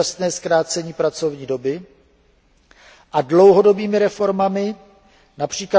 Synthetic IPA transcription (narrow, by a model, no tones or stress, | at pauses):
asnɛːskɾaːt͡sɛɲiːpɾat͡so̞vɲiːdo̞bɪ | ʔadlowɦo̞dobiːmɪɾɛfo̞ɾmamɪ | napr̝̥iːkla